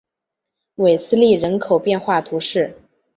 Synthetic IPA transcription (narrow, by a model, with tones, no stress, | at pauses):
we˨˩ɪsɹ̩˥li˥˩ɻə˧˥nkʰo˨˩ʊpjɛ˥˧nxwa˥˩t̪ʰu˧˥ʂɻ̩˥˩